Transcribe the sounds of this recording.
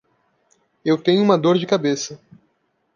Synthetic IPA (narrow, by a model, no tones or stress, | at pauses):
ewt̪ẽɲʊ̃ũmɐd̪oɾd͡ʒɪkabesɐ